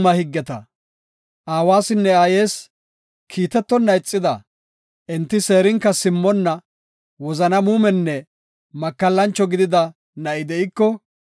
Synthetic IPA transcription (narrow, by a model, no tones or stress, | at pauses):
mɐhɪɡːɛt̪ɐ̰ | ʔaːwaːsɪnːɛaːje̞ːs | kʰiːt̪ɛt̪ːɔnːɐɪt͡sʼːɪd̪ɐ | ʔɛnt̪ːɪse̞ːɾɪŋkːɐsɪmːɔnːɐ | wɔzɐnɐmuːmɛnːɛ | mɐkːɐlːɐnt͡ʃːɔɡɪd̪ɪd̪ɐ | nɐʔɪd̪ɛɪkːɔ